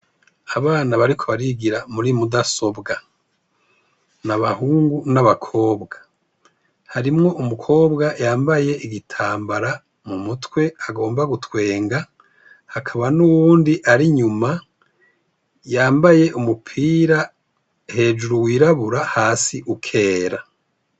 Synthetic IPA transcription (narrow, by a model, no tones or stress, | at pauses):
aβaːnaβaɾikʰo̞βaɾiɡiɾamuɾimudaso̞bɡa | naβahuːŋɡunaβakʰo̞ːbɡa | haɾimŋo̞ʔumukʰo̞ːbɡajaːmbaje̞ʔiɡitʰaːmbaɾa | mumutwe̞aɡo̞ːmbaɡutwe̞ːŋɡa | hakʰaβanuwuːndiʔaɾiɲuma | jaːmbaje̞ʔumupʰiːɾa | he̞ːd͡ʒuɾuwiːɾaβuɾahaːsiʔukʰe̞ːɾa